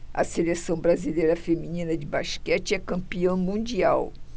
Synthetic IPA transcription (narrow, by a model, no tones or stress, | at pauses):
ɐ̰selesɐ̃w̃bɾazilejɾɐfeminĩnɐd͡ʒɪbaʃkɛt͡ʃɪɛkɐ̃mpiɐ̃w̃mũd͡ʒiaw